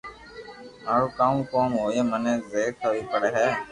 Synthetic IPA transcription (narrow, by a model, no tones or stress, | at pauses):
maːɾuːkaːmkoːmɦoːeːmənẽːzeːk̪ʰəʋiːpəɽeːɦɛː